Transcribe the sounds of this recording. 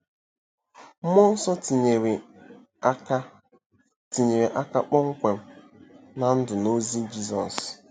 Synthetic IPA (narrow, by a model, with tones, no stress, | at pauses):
mɔ˦n̩˦sɔ˦˨e˨ɾ | ti˨ɲe˨ɾe˨ʔa˦ka˦k͡pɔ˦ŋ̩˦kʷe˨m̩˦ | na˨n̩˦dʊ˨no˦zi˦d͡ʒi˦zɔ˨s